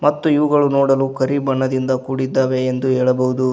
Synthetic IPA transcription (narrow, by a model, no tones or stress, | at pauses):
mɐt̪ːuiʋɐɡɐɭunoːɽɐlukɐɾibɐɳːɐd̪ind̪ɐkuːɽid̪ːaːʋe̞ːnd̪uɦeːɭɐbɐʋud̪u